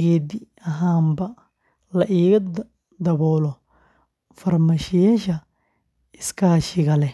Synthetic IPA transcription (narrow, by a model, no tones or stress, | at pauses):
ɡɛːd̪i | ɐɦaːmbɐ | lɐʔiːɣɐ | d̪ɐβɔːlɔ | fɐrmaʃɪjɛːʃɐ | ɪskʰaːʃɪɣɐlɛ